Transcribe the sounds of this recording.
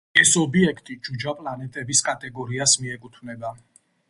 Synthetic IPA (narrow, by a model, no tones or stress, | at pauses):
ɛsɔbiɛkʰt̪ʼid͡ʒud͡ʒapʼlanɛt̪ʼɛbiskʼat̪ʼɛɡɔɾiasmiɛkʼut̪ʰvnɛba